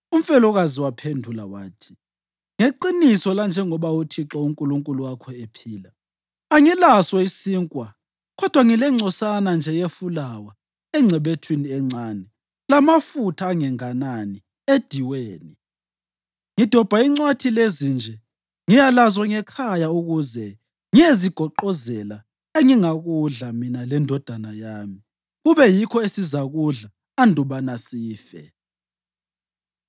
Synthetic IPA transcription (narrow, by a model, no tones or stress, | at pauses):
um̩fɛlɔɣaziwapʰendʱulawa̰ːtʰi̥ | ŋeǃinisɔland͡ʒʱɛŋɔβautʰiǁɔuŋkʼuluŋkʼuluwakʰɔepʰiːla | aŋilaswɔisiŋkʼwa | ɣɔd̥ʱwaŋilɛŋ͡ǀʱɔsanand͡ʒʱɛjefulawa | ɛŋ͡ǀʱɛɓetʰwiniɛŋ͡ǀʱaːnɛ | lamafutʰaːŋɛŋanani | ed̥ʱiweːni | ŋid̥ʱɔb̥ʱaiŋ͡ǀwatʰilezind͡ʒʱɛ | ŋijalazwaŋɛkʰajauɣuzɛ | ŋieziɡ̥ʱɔǃɔzɛla | eŋiŋaɣuɮaminalɛndʱɔd̥ʱanajaːmi | ɣuβɛjikʰɔesizaɣuɮa | andʱuβanasiːfɛ̰